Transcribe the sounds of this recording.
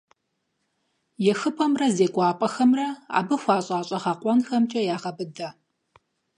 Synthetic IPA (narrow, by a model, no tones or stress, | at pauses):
jɛxɨpʰʼɐmrɐzeːɡʷʼɑːpʼɐxɐmrɐa̰ːbɨxʷɑːɕʼaːɕʼɐʁaːqʷʼɔnxɐmt͡ʃʼɐjaːʁɐbɨdɐ